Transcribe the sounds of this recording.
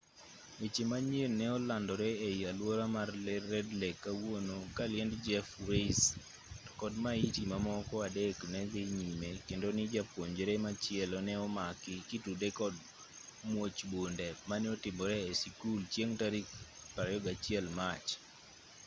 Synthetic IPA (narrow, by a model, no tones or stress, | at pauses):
et͡ʃemaɲenɛɔlandɔɾɛeialwoɾamarlɛrːɛdlekːawonokalɪɛndd͡ʒɛfɾes | kɔdmaitimamɔkɔadeknɛðɪɲimekendonɪd͡ʒapoɲd͡ʒɾemat͡ʃɪɛlɔnɛɔmakɪkɪtudekɔd̚ | mwot͡ʃbondɛmanɛɔtɪmbɔɾɛːsikult͡ʃjeŋtaɾik | paɾjɔɡat͡ʃɪɛlmat͡ʃ